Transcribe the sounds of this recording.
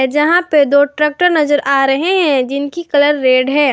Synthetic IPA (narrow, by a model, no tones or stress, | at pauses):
d͡ʒɐɦãped̪oːʈɾɛːk̚ʈəɾnɐzəɾʔaːɾɐɦeɦɛ̃d͡ʒɪnkikɐləɾːeːɖɦɛː